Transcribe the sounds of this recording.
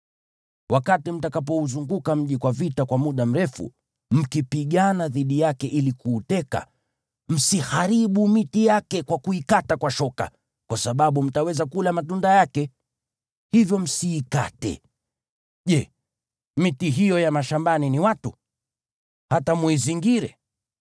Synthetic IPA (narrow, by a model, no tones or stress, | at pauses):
wakatim̩takap̬ɔuzuŋɡukam̩ʄikwavitakwamuɗam̩ɾɛfṵ | m̩kipiɠanaðiɗijakɛʔilikuːtɛka̰ | m̩sihaɾiɓumitijakɛkwakuikatakwaʃɔka̰ | kwasaɓaɓum̩tawɛzakulamatundajakɛ | hivjɔm̩siːka̰tɛ̰ | ʄɛ | mitiɦijɔjamaʃambaniniwatu | hatamwiziŋɡiɾɛ